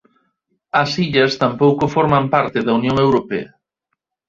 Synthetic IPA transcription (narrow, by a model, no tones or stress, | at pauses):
ɐsiʎɐst̪ampowkofɔɾmampaɾt̪ɪðɐunjoŋewɾopḛɐ